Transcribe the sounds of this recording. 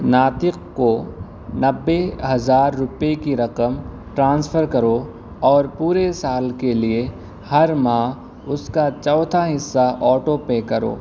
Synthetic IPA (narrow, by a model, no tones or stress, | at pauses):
naːt̪ɪqko | nɐbːeɦɐzaːɾːʊpekiɾɐqəm | ʈɾãːnsfʰəɾkɐɾo | ɔːɾpuːɾesaːlkelie | hɐɾmãː | ʊskat͡ʃɔːt̪ʰaɦɪsːaʔɔːʈopekɐɾo̰ː